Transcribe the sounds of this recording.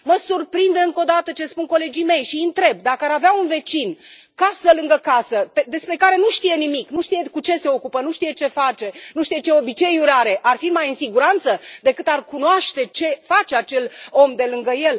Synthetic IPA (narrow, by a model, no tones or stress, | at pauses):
məsurpɾind̪eɨŋko̞d̪at̪ət͡ʃe̞spunko̞le̞d͡ʒijme̞jʃiɨnt̪ɾe̞b̚d̪akəaɾaveaunve̞t͡ʃinkasəlɨŋɡəkasəped̪e̞spɾe̞kaɾe̞nuʃt̪ije̞nimiknuʃt̪ije̞kut͡ʃe̞se̞o̞kupənuʃt̪ije̞t͡ʃe̞fat͡ʃe̞nuʃt̪ije̞t͡ʃe̞o̞bit͡ʃe̞juɾaɾe̞ʔarfimajɨnsiɡuɾant̪səd̪e̞kɨt̪arkunoaʃt̪e̞t͡ʃe̞fat͡ʃe̞at͡ʃe̞lo̞md̪e̞lɨŋɡəje̞l